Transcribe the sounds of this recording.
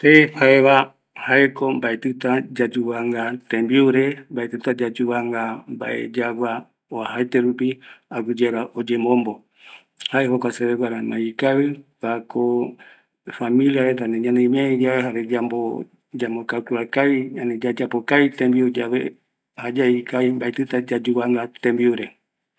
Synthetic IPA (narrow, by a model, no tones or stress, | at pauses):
t̪ehaeβa | haekombaet̪ɨt̪ad͡ʒad͡ʒuβaŋɡat̪ẽmbiuɾembaet̪ɨt̪ad͡ʒad͡ʒuβaŋɡamba̰ʔḛd͡ʒaɡʷa | oahaet̪eɾupiaɡɨd͡ʒeɾaʔod͡ʒembõmbo | haeɦokʷaseβeɡʷaɾamãikaβɨβakɔ | familiaɛt̪anɛɲanɛimiaid͡ʒawɛɦaɾɛd͡ʒambɔ | d͡ʒambɔkakuɾakaiɲanɛd͡ʒad͡ʒapɔkait̪ɛmbiud͡ʒawɛ | had͡ʒaikaimbait̪ut̪ad͡ʒad͡ʒuβaŋɡat̪ɛmbiuɾɛ